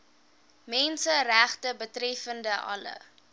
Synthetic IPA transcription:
mɛnsəræχtəbətrɛfəndəʔɐ̰lə̰

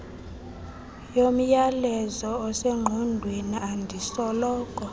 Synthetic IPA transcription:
jom̩jalɛzɔɔseŋ͡ǃʱundʱweniʔandʱisɔlɔːkʼɔ

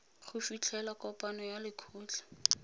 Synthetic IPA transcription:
χʰʊfit͡ɬʰɛlakɔpʼanɔjalɪkʰuːt͡ɬḁ

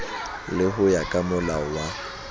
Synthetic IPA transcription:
lɪɦʊjakʼamʊlawa

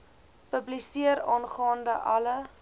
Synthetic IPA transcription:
pəblisiəɾɑːnχɑːndəʔɐlə

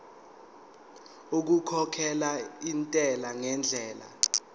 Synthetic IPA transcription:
uk̬ukʰɔkʰɛlaintʼɛlaŋɛnd͡ɮʱɛːla̰

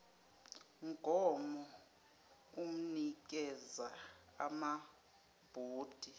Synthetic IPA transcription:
ŋɡʱɔmɔ | um̩nik̬ʼɛzaa̰ma | b̥ʱuːd̥ʱi

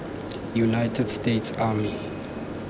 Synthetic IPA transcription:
junaɪtʰədstetsaːmi

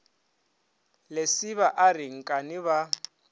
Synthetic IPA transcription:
lesɪβaʔarɪŋ̩kʼanɪβa

